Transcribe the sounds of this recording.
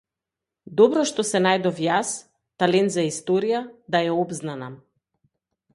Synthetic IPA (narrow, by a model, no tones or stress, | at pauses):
d̪ɔbɾɔʃt̪ɔsɛnajd̪ɔfjas | t̪alɛnt̪zaist̪ɔɾijad̪aɛɔbznana